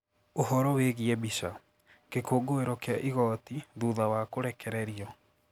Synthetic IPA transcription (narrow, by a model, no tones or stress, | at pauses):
oɦɔɾɔweɣiɛbiʃa | kekoːɡoeɾɔkeaʔiɣɔtiðuðawakoɾɛkɛɾɛɾiɔ